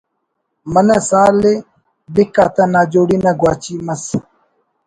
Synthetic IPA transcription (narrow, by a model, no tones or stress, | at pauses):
mɐnɐsaːle | bikaːt̪ɐnaːd͡ʑoːɽinɐɡwaːt͡ɕimɐs